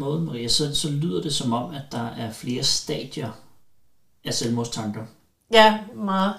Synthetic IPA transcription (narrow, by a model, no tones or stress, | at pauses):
mɔ̽ːð̩ˠmæʁḭɐseð̰nsɒ̽lyð̞̰ˠɐd̥e̝sɒ̽mɒ̽m̰æd̥ɑ̈æɐfle̝ːɐsd̥ɛ̰ːd̥jɐ | æselmost͡sʰɑ̈ŋɡ̥ɐ | jæmɑ